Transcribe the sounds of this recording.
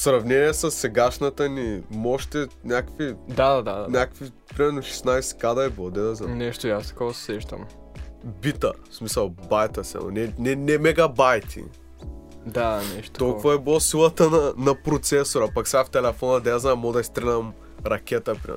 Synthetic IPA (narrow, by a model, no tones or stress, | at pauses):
sɾɐvnɛniɛsɐsːɛɡaʃnɐt̪ənimoʃt̪ɛnʲakəvid̪ad̪ad̪aanʲakə̥kvi | pɾimɛɾnoʃɛ̥snajsɛ̥kad̪ɐiblˠod̪ɛnɛzɐnɛʃt̪oiast̪ɐ̥kovsɛʃt̪ɐ̰m | bit̪ɐsmisɐlˠbajt̪ɐsɛ̰mo̰nɛnɛnɛmɛɡɐbajt̪ʰḭ | d̪anɛʃt̪t̪olˠkkuvɐɛbilˠosilˠɐt̪ənɐnɐpɾot̪sɛsoɾɐpɐksɛɡaft̪ɛlɛfɔnɐd̪ɛɛzɐnmɔd̪ɐist̪ɾɛnɐm | ɾɐkʲɛt̪əpɾḭmɛ̰